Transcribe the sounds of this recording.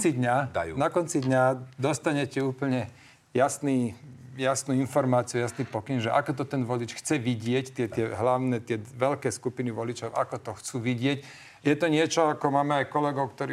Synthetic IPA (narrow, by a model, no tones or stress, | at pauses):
t͡sid̪ɲanakɔnt͡sid̪ɲad̪ɔst̪aɲɛcɛuːpl̩ɲɛ | jasniːjasnuːinfɔɾmaːt͡siujasniːpɔkinʒɛʔakɔt̪ɔt̪ɛnʋɔlit͡ʃxt͡sɛʋiɟɪɛct̪ɪɛt̪ɪɛɦlaʊnɛt̪ɪɛʋɛʎkɛːskupiniʋɔlit͡ʃɔʊʔa̰kɔt̪ɔxt͡suːʋiɟɪɛc | jɛt̪ɔɲɪɛt͡ʃɔakɔmaːmɛajkɔlɛɡɔʊkt̪ɔɾi